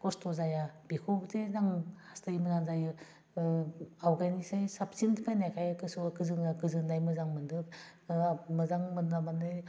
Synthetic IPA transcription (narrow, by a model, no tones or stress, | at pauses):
kɔstʰɔzajabikʰobtezaŋhastaimɐzaŋzajɯ | awɡajnisajsap̚sindpʰajnajkʰajakɯsukɯzɯŋakɯzɯŋdajmɯzaŋmɯndɯ | mɯzaŋmɯndamanaj